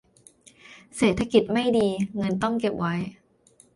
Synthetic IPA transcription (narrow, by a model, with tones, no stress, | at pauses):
seː˨˩t̪ʰːa˧ki˨˩t̪̚ma˥˩jdiː˧ŋɤ˧nt̪ɔ˥˩ŋke˨˩p̚wa˦˥j